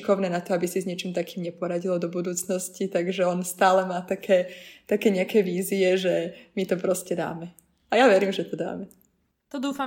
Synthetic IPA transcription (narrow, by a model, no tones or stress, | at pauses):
kɔʊnɛːnat̪ɔabisizɲɪɛt͡ʃiːmt̪akiːmɲɛpɔɾaɟilɔd̪ɔbud̪uːt͡snɔscit̪aɡʒɛɔnst̪aːlɛmaːt̪akʰɛːt̪akɛːɲɛakɛːʋiːziɛʒɛmit̪ɔpɾɔscɛd̪a̰ːmɛ | ajaʋɛɾiːmʒɛt̪ɔd̪a̰ːmɛ | t̪ɔd̪uːfa